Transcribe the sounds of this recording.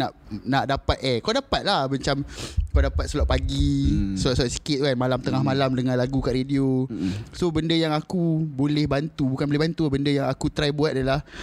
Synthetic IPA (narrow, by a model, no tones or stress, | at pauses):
naʔnaʔdapat̪̚ekawdapat̪̚lahmaɲt͡ʃamkawdapat̪̚səlaʔpaɡisəlɔʔsaʔ̪si̥kɪt̪̚kanmalamt̪əŋahmalamdəŋãnlaɡukaʔɾediosobəndəjaŋakubolɛhbant̪ubukanboleɦbant̪ubəndəjaŋakut̪ɾajbuat̪̚ʔadalah